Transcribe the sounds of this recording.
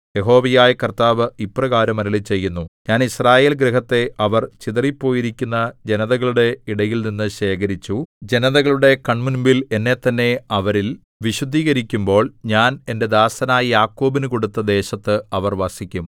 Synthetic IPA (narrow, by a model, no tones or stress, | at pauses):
je̞ɦo̞ːʋɐjaːjɐkɐrt̪aːʋɨiprɐɣaːɾɐmɐɾɐlit͡ɕːe̞jːunːuɲaːnisraːje̞ːlɡɾeɦɐt̪ːe̞ʔɐʋɐrt͡ɕiðɐripːo̞ːjiɾikʲːunːɐd͡ʑe̞nɐðɐɣɐɭuɽe̞iɽɐjilninːɨɕe̞ːkɐɾit͡ɕːud͡ʑe̞nɐðɐɣɐɭuɽe̞kɐɳmunbile̞nːe̞t̪ːɐnːe̞ɐʋɐɾil | ʋiɕud̪ʱːiːɣɐɾikʲːumbo̞ːɭɲaːne̞nde̞d̪aːsɐnaːjɐjaːkːo̞ːbinɨko̞ɽut̪ːɐd̪e̞ːɕɐt̪ːɨɐʋɐrʋɐsikʲːum